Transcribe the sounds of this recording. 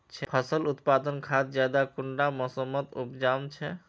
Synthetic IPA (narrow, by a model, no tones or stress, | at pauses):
t͡ʃʰɛpʰʌsɔlut̪pad̪ɔnkʰat̪d͡ʒad̪akuɳɖamɔsɔmːɔt̪ṵpd͡ʒant͡ʃʰɛ